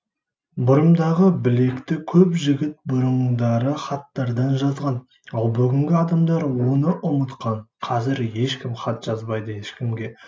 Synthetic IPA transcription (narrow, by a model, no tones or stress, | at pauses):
bʊɾəmd̪ɑʁəbɪle̞kt̪ɪkʲʰɵpʒɪɡʲɪt̪̚bʊɾəɴd̪ɑɾəχɑt̪ːɑɾd̪ɑnʒɑzʁɑn | ɑlˠbʏɡʲɪŋɡʲɪɑd̪ɑmd̪ɑɾwo̞nəʔʊmət̪qɑɴqʰɑzɪɾje̞ʃkʲɪmχɑt̪ʒ̥ɑzbɑjd̪əjeʃkʲɪmɡʲe̞